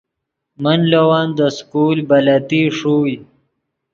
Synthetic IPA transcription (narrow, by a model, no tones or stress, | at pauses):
manlowaːnd̪əskuːlbalat̪iʂuːj